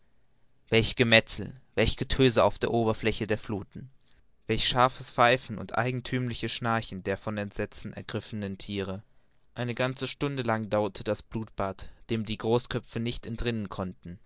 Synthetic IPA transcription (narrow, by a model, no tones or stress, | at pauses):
vɛlçəɡ̥əmɛt͡sl̩vɛlçəɡ̥ətʰøːzəa̰ʊfd̥eːɐʔoːbɐflɛçədeːɐfluːtn̩ | vɛlçʃaɐfəsfaɪfn̩ʊ̰ntʔa̰ɪɡŋ̩tʰyːmlɪçəsʃnaɐçn̩deːɐfɔnɛntz̥ɛt͡sn̩ɛ̰ɐɡʁɪfənəntʰiːʁ̞ə | ʔaɪnəɡant͡səʃtʊndəlaŋdaʊɐtʰəd̥asb̥luːtb̥aːtd̥eːmdiːɡʁoːskʰœpp͡fənɪçtɛntʁɪnənkʰɔntn̩